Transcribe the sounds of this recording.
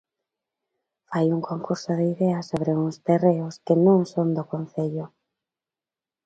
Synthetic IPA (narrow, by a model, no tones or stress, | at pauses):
fajuŋkʰoŋkuɾsʊðɪiðɛasoβɾeuŋst̪ereʊskɪnõŋsond̪okon̟θeʎʊ